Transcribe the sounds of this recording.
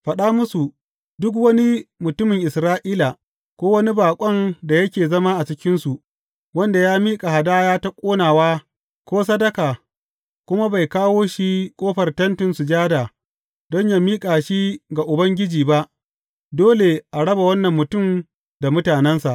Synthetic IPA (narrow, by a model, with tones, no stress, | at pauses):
ɸɐ˨ɗa˦mʊ˦su˨ | dʊ˦k̬wɐ˦ni˦mʊ˨tʊ˦mɪ˨ŋʔɪ˨sɾaː˦ʔiː˦la˨ | kʷoː˦wɐ˦ni˦baː˨kʷʼɔ˦nda˨jɐ˦kʲeː˨zɐ˦maː˦ʔa˨t͡ʃɪ˦kʲɪ˦nsu˨ʔ | wɐ˦nda˨jaː˦miː˦kʼa˨ɦa˨daː˦jaː˦ta˦kʷʼoː˦naː˨waː˦ | kʷoː˦s̬ɐ˦dɐ˦kaː˨ | kʷʊ˦ma˦ba˨jkaː˦woː˦ʃi˦kʷʼoː˦ɸɐ˨rtɐ˦ntɪ˨nsu˨d͡ʒaː˦daː˨ | dɔ˦ɲjaː˨miː˦kʼaː˨ʃi˦ɡa˨ʔʊ˨bɐ˦ŋɡʲɪ˦d͡ʒiː˨ba˦ʔ | doː˦le˨ʔa˨ɽɐ˦ba˨wɐ˦nːɐ˨mːʊ˨tʊ˦˨m | da˨mʊ˦taː˨nɛ˦nsa˨ʔ